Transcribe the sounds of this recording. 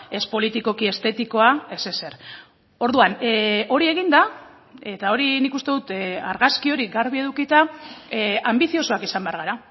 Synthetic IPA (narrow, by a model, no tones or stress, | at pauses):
e̞spo̞lit̪iko̞kie̞st̪e̞t̪iko̞ae̞se̞se̞ɾ | o̞ɾðuano̞ɾie̞ɣind̪a | e̞t̪ao̞ɾinikust̪e̞ðut̪a̰ɾɣaskio̞ɾiɡaɾβie̞ðukit̪a | ambiθio̞so̞akisambe̞aɾɣ̞aɾa